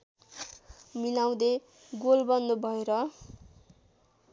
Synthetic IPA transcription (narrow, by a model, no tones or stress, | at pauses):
milaw̃d̪e | ɡolbʌnd̪obʱʌeɾʌ